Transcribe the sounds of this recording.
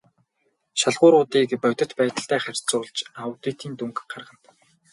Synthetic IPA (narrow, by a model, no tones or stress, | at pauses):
ʃaɮʁʊːɾʊːt̪iːkpœt̪ə̆t̪pæːt̪ə̆ɬt̪æːχær̥ʲt͡sʊːɮt͡ɕawt̪iːt̪iːnt̪uŋkɢarʁə̆nt̪